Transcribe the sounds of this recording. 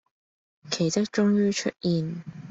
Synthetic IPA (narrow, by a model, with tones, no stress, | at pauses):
kʰe˨˩jt͡s̪ɐ˥k̚t͡ʃʊ˥ŋjyː˥t͡ʃʰɵ̰˥t̚jiː˨n